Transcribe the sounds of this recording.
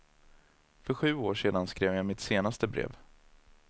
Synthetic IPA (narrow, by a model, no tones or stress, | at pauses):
fœɾɧʉ̟ːoːʂeːd̪anskɾeːvjamɪt̪seːnast̪əbɾḛːv